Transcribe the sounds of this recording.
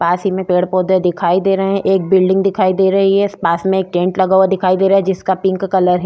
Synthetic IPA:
paːsimẽpeːɽpoːd̪ed̪ɪkʰaːid̪eːɾɐɦɦɛ̃ʔeːk̚bɪlɖɪ̃ŋɡd̪ɪkʰaːid̪eːɾɐɦiɦɛspaːsmẽeːk̚ʈẽːɳʈlɐɡaːwad̪ɪkʰaːid̪eːɾaːɦɛd͡ʒɪskapɪ̃ŋkːɐləɾɦɛ

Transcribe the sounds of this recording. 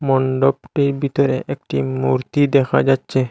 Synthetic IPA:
mɔɳɖopʈeɾbit̪oɾḛʔek̚ʈimuɾt̪id̪ɛkʰa̰d͡ʑatːɕʰe

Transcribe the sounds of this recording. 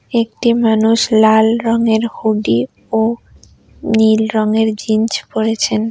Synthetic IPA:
ekʈimanuʃlalɾɔŋeɾhuɖi | o | nilɾɔŋeɾd͡ʑint͡ɕpoɾet͡ɕʰen

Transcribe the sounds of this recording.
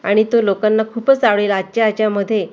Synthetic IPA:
a̰ɽ̃it̪olokanːakʰuːpət͡saʋɭelat͡ɕeat͡ɕjaməd̪ʱːje

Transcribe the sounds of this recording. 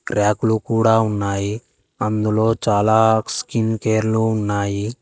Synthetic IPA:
ɾaːkulukuːɽaːunːaːji | ɐnd̪ulo̞ːt͡ʃaːlaːskinkeːɾluːnːaːji

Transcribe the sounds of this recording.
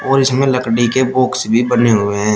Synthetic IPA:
ɔːɾɪsmẽlɐkɽikeboːksbʱibɐneɦʊeɦɛ̃ː

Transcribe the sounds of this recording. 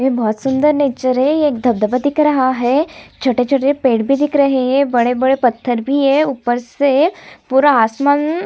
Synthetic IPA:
jebʱɔːt̪sund̪əɾneːt͡ʃəɾɦɛeːkd̪ʱɐb̚d̪əbad̪ikɾɐɦaɦɛt͡ʃʰoʈet͡ʃʰoʈepeːɽbʱid̪ikɾɐɦeɦebɐɽebəɽepɐt̪ʰːəɾbʱiɦɛupəɾsepuɾaːsman

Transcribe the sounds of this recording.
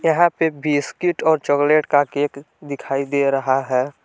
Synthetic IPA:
jɐɦãpebiskɪʈɔːɾt͡ʃɔkleːʈkakeːk | d̪ɪkʰaːid̪eːɾɐɦaɦɛː

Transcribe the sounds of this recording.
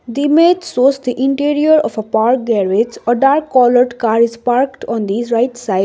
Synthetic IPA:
d̪imet̪soːsd̪iʔɪ̃ɳʈiɾiəɾɔfəpaɾk̚ɡɛɾed͡ʒɔɖaːɾkːɔːləɾɖkaːɾizpaɾkʈɔ̃nd̪iːzɾaɪʈsaɪ

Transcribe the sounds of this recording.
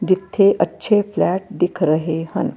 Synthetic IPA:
d͡ʒit̪ʰːeʔətːʃʰeflæʈ̚d̪ikʰɾəɦehə̰n

